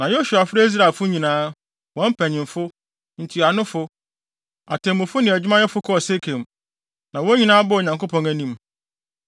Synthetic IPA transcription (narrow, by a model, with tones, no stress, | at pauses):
nã˨jo˦su˨a˨fɪ˦ɾe˦i˦s̬ɾa˨fʊ˦ɲĩ˨nãː˦ | wɔ̃˨˦m̩˦pʰæ̃˨ɲɪ̃˨mfʊ˦ | n̩˨tʰi˨a˨nʊ̃˦fʊ˦ | a˨tʰɛ̃˨mʊ̃˨fʊ˦nɪ̃˨ɛ˨d͡ʑᶣɪ˦mã˦jɛ˦fʊ˦kʰɔ˦˨se˦kʰẽ˨m | nã˨wɔ˦ɲĩ˨nãː˦bʊ˦o˨ɲã˨ŋko˦pʰɔ̃˨ŋæ˨nĩ˦m